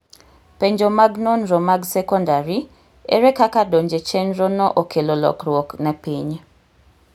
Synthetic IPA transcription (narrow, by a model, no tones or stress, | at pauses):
peɲd͡ʒomaɡnonɾɔmaɡsɛkɔndaɾi | ḛɾɛkakadoɲd͡ʒet͡ʃɛnɾɔnɔʔokʰelolɔ̰kɾwoknɛpiɲ